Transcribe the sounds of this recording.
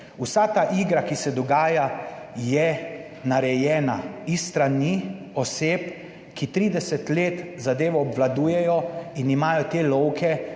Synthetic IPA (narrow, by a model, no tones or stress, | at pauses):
usat̪aːʔiɡɾakisɛd̪ɔɡaːjajɛ | naɾɛjɛːnaist̪ɾani | ɔseːp | kit̪ɾiːd̪ɛsɛt̪leːt̪zad̪eːʋɔːbʋlad̪uːjɛjɔinimaːjɔt̪eːlɔwkʰɛ